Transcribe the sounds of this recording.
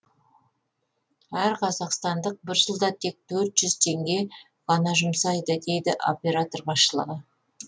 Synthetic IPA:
æɾqʰɑzɑqst̪ɑnd̪əq̚bɪɾʒəlˠd̪ɑt̪ʰe̞k̚t̪ʰɵɾt̪ʒ̥ʏz̥t̪ʰe̞ŋɡʲe̞ | ʁɑnɑʒʊmsɑjd̪əd̪e̞jd̪ɪʔo̞pʲe̞ɾat̪o̞rbɑsʃəlˠə̰ʁə

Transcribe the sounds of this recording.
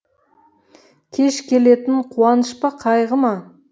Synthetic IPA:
kʲʰe̞ʃkʲʰe̞le̞t̪ɪɴqʰuɑnəʃpɑqʰɑjʁəmɑ

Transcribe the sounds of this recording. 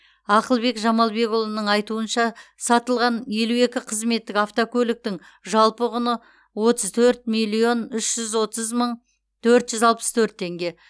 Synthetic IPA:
ɑqəlˠbe̞kʒɑmɑlˠbe̞kʊlˠənəɴɑjt̪uənʃɑsɑt̪əlˠʁɑnje̞lue̞kʲɪqʰəzme̞t̪ːɪkɑft̪okʰʲɵlɪk̚t̪ɪŋ | ʒɑlˠpəʁʊnə | wo̞t̪əzt̪ʰɵɾt̪̚mijlʲijo̞nʏʃʒ̥ʏzwo̞t̪əzməɴ | t̪ʰɵɾt̪ʒʏzɑlˠpə̥st̪ʰɵɾt̪ʰːe̞ŋɡʲe̞

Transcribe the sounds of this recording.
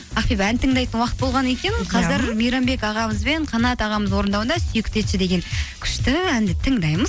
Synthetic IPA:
ɑχpepænt̪ʰəŋd̪ɑjt̪ənwɑqət̪̚bo̞lˠʁɑne̞kʲe̞nqʰɑzɪɾmijɾɑmbe̞kɑʁɑməzbe̞ɴqʰɑnɑt̪ɑʁɑməzwo̞ɾənd̪ɑwənd̪ɑsyjɪkʲt̪e̞t̪ʃɪd̪e̞ɡʲe̞ŋkʲʰʏ̥ʃt̪ɪænd̪ɪt̪ʰəŋd̪ɑjməz

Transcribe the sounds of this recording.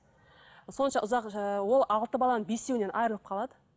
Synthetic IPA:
so̞nəʃɑʔʊzɑqwo̞lˠɑlˠt̪əbɑlˠɑnənbe̞st̪ewɪne̞nʔɑjɾəlˠəp̚qʰɑlˠɑd̪ə

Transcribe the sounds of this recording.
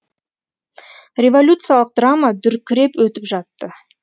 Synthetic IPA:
rʲe̞vo̞lʲut̪sɨjalˠəq̚d̪ramad̪ʏɾkʲʰɪɾe̞pwɵt̪ɪpʒɑt̪ːə

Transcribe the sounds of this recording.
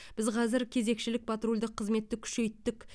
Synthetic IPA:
b̥ɪzqʰɑzɪɾkʲʰe̞ze̞kʃɪlɪk̚pʰat̪ɾolʲd̪əqʰːəzme̞t̪ːɪkʲʰʏ̥ʃe̞jt̪ːɪk

